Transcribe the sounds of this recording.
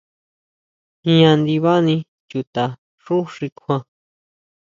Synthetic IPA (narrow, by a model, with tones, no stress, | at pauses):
ĩ˧ã˧nd̪i˧βa˦nĩ˧ | t͡ʃu˨t̪a˨ | ʂu˦ʂi˧kʷʰã˧